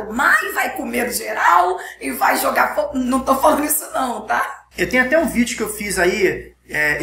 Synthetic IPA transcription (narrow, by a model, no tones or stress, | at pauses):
omaɪvajkomeɾʊʒeɾawɪvajʒoɡafonɐ̃w̃t̪owfalɐ̃nd̪ʊisʊnɐ̃w̃t̪a | ewt̪ẽjʊ̃at̪ɛũvid͡ʒʊkɪewfizai | ɛ